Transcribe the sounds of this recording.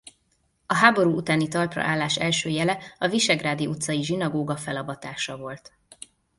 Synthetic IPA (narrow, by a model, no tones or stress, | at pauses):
ɒɦaːbo̞ɾuːut̪aːnit̪ɒrprɒ̰ʔaːlːaːʃɛlʃøːjɛlɛɒviʃɛɡraːd̪iut̪sɒjiʒinɒɡoːɡɒfɛlɒbɒt̪aːʃɒvo̞lt̪